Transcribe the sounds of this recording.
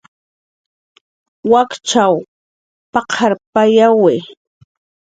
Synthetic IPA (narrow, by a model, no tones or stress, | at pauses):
wakt͡ʃaw | pɑqʰaɾpajawɪ